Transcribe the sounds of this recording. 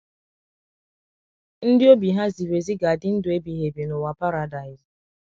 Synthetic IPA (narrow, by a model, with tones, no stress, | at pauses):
n̩˦dɪ˦o˦bi˨ɦa˦zi˨we˨zi˦ɡa˨a˨dɪ˦n̩˦dʊ˨e˦bi˨ɦe˨be˨nʊ˨wa˨pa˦ɾa˨da˨ɪ˨z